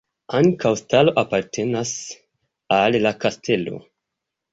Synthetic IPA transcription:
aŋkawstalo̞ʔapaɾtʰe̞nas | alːakastʰe̞lo̞̰

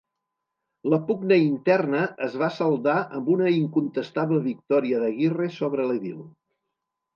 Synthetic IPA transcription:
ləpuɡnəint̪ɛrnəəzβasəlˠd̪aʔəmbunəiŋkunt̪əst̪aβləβik̚t̪ɔɾiəðəɣiresoβ̞ɾələβilˠ

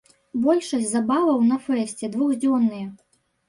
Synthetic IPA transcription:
bɔlʲʂɐsʲzabavɐwnɐfɛsʲt͡sʲɛd̪vuɣʲd͡zʲɔnːɨjɐ

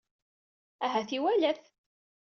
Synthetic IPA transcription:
æɦæθiwælæθ

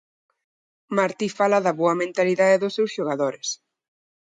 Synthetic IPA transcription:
maɾt̪ifalaðɐβoɐmẽnt̪aliðaðeðʊsːewsʃoɣ̞aðoɾɪs

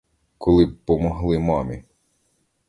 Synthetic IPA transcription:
kʰɔlˠɪbpːɔmɔɦlˠɪmɑmʲi

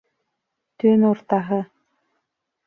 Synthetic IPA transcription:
t̪ønoɾt̪ɑɦɤ

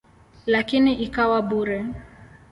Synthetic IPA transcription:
lakiniʔikawaɓuɾɛ

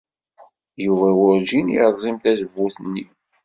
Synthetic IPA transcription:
juvæwʊɾd͡ʒinjəɾˤzˤimθæzəbːuθənːi

